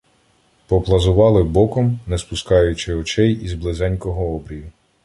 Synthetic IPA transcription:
pɔplˠɐzʊʋɑlˠɪbɔkɔmnɛspʊskɑjʊt͡ʃɪɔt͡ʃɛjizblˠɪzɛnʲkɔɦɔɔbɾʲijʊ

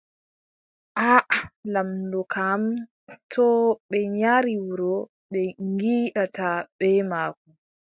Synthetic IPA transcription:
ʔaʔlamdɔkʰam | tʰɔɓɛɲaɾiwuɾɔ | ɓɛŋɡiːɗataɓɛmaːku

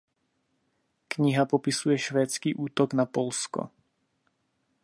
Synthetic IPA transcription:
kɲɪɦapopɪsujɛʃvɛːt͡skiːʔuːt̪oɡnapolsko̰

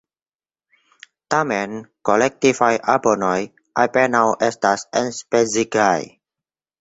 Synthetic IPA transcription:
t̪amɛ̃nkolɛk̚t̪ivajʔabonɔj | ʔajpɛnawʔɛstasɛnspeziɡaj

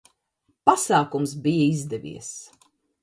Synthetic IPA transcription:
pasaːkumsbijəizd̪ɛvʲḭɛs

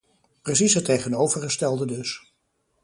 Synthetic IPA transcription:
prəs̬isətejχənowvəɹχəstɛlˠdədɵs

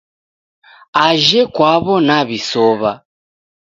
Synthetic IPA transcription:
aʒɛkwaβɔnaβisɔβa

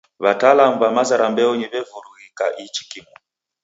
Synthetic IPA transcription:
βataːlamuβamazaɾambɛɔɲiβɛvuɾuɣika̰ʔit͡ʃi̥kimɔ

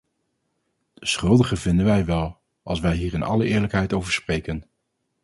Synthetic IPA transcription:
d̥əsχɵlˠdəχəvɪndənʋɛjʋɛlˠ | ɑ̰lˠsʋɛjɦiːɹɪnɑ̰ləʔɪːɹləkɦɛjtowvəɹsprejkən

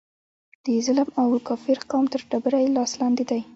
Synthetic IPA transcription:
d̪̥əzalmawkɑfiɾqɑmt̪əɾɖabɾajlɑslɑnd̪id̪aj

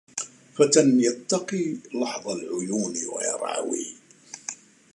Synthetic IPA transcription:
fat̪anjɑt̪ːɑqiːlɑħðˤɑlʕʊjuːnwa̰jɑ̰ɾˤʕɑ̰wḭː

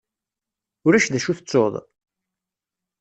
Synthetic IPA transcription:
ʊɾæʃðæʃuθət͡sːoðˤ

